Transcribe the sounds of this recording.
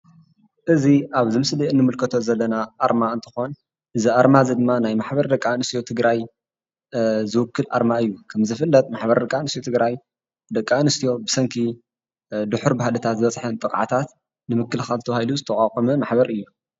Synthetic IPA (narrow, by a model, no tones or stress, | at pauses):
ʔɨziʔaβzɨmɨsliɨnːɨmɨlkʰɐt̪ʰo̞zɐlːɐnaʔaɾmaɨnt̪ʰɨ̥xo̞n | ʔɨziaɾmazid̪ɨmːanajmaħbɐɾd̪ɐkʼːanɨst̪ijo̞t̪ʰɨɡɾaj | zɨwʊkːɨlʔa̰ɾmaɨjːukʰɐmzɨfɨlːɐt̪̚ʼmaħbɐɾd̪ɐkʼanɨst̪iot̪ʰɨɡɾaj | d̪ɐkʼːanɨst̪ʰijo̞bɨsɐŋkʰi | d̪ɨħʊɾbahalɐt̪ʰat̪zɨβɐt͡sʼħɐnt̪ʼɨkʼʕa̰t̪ʰat̪ | nɨmɨkːɨlxalt̪ʰɐwahajluzɨt̪ʰɐkʼaqʼɐmɐmaħbɐɾɨjːu